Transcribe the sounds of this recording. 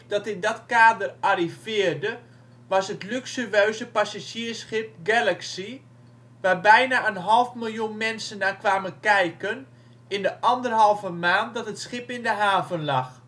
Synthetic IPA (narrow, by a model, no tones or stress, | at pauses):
d̥ɔtɪndɔtkaːdərarifɪərdə | ʋɑsɦətlyksyʋøːzəpasaʃiːəsxɪp̚ɡɛlaksi | ʋabɛjnaənɦɔlˠfmɪlˠjunmɛnsənːaːkʋaːmənkɛjkən | ɪndəʔɔndərɦɑlˠvəmaːnt̚dɔtɦətsχɪpɪndəɦaːvənlɑx